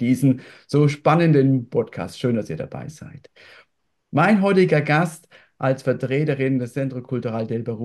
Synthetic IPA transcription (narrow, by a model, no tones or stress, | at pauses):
d̥iːzn̩z̥oːʃpanəndənpʰɔtkʰa̰ːstʃøːndasiːɐɾa̰ba̰ɪz̥a̰ɪt | maɪnɦɔʏtɪɡɐɡast | ʔalsfɛɐtʁ̥eːtəʁɪndɛt͡sɛntʁ̥okʰʊltuʁaldɛlbəʁu